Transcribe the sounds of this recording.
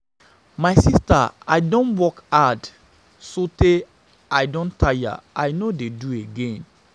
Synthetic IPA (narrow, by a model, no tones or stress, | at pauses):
majsista̰a̰ɪdoɔ̃nwɔkad | sote | aɪdõntʰaja̰ajnodedueɡẽn